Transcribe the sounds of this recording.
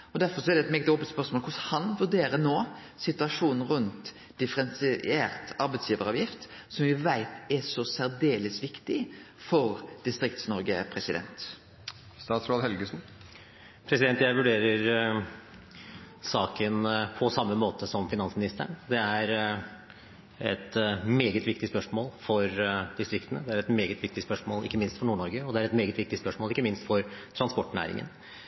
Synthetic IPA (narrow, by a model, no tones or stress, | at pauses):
ɔd̪æɾfɔɾsɔɛɾd̪ɛt̪mɛɡt̪oːpəlt̪spœɾsmoːlkʰʊshɑnʋʉɖeːɾənoː | sɪt̪ʉɑʂuːnn̩ɾʉnt̪ | d̪ɪfəɾɛnsɪeːɾt̪ɑɾbɛt̪sjiːʋəɾɑʋjɪft̪ | sɔmʋɪʋæɪt̪æsɔsæɾd̪eːləsʋɪkt̪ɪ | fɔɾd̪̥ɪst̪ɾɪkt̪snɔɾɡəpʰɾɛsɪd̪ɛ̰nt̪ | st̪ɑːt̪sɾoːd̪hɛlɡəsn̩ | pʰɾɛsɪd̪ɛnt̪jæɪʋʉɖeːɾəɾ | sɑːkənpʰɔsɑmːəmoːt̪ʰəsɔmfɪnɑnsmɪnɪst̪ə̰ɳd̪ɛæɾ | ɛt̪meːɡət̪ʋɪkt̪ɪspœʂmoːlfɔɾd̪ɪst̪ɾɪkt̪ənəd̪ɛæɾɛt̪meːɡət̪ʋɪk̚t̪ɪspœʂmoːlʔɪ̰kːəmɪnst̪fɔɳuːɳɔɾɡəɔd̪ɛæɾɛt̪meːɡət̪ʋɪk̚t̪ɪspœʂmoːlɪkːəmɪnst̪fɔɾt̪ʰɾɑnspɔʈːnæ̰ːɾɪ̰ŋə̰n